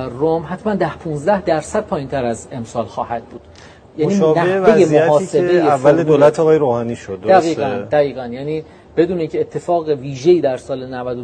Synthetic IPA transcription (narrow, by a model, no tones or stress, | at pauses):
omɦæt̪ʰmænd̪æhpʰũnzd̪æhd̪æɾsæd̪̥̚pʰɒːjint̪ʰæɾæze̞msɒːlxɒːhæd̪̥̚buːd̪̥ | jæːniːmːnæehvejemmoɒːse̞bejeæfvːæled̪olæt̪ʰɒːɣɒːjeɾoːhɒːniːʃod̪d̪æɣiːænd̪æɣiːɣænjæːniː | b̥e̞d̪uːneiːŋcʰeːt̪ʰːe̞fɒːɣeviːʒejiːd̪æɾsɒːlenævæd̪o